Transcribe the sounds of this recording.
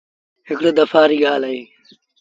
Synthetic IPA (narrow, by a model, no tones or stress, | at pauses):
ɦɪkɽoːd̪ɐfaːɾiːɡaːlaiː